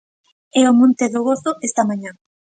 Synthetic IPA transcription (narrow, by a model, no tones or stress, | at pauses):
ɛomõnt̪eðʊɣoθʊest̪ɐmaɲã